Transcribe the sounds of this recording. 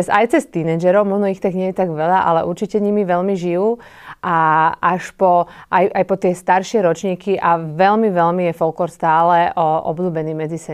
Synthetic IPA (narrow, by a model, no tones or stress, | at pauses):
zajt͡sɛst̪inɛd͡ʒɛɾɔʊmɔʒnɔixt̪aɡɲɛjɛt̪aɡʋɛʎaʔa̰lɛ̰ʔuɾt͡ʃicɛɲimiʋɛʎmiʒijuː | ʔaʔaʃpɔajajpɔt̪ɪɛst̪aɾʃɪɛɾɔt͡ʃɲiːkiʔaʋɛlmiʋɛʎmijɛfɔlkɔɾst̪aːlɛɔʔɔ̰bluːbɛniːmɛd͡zisɛ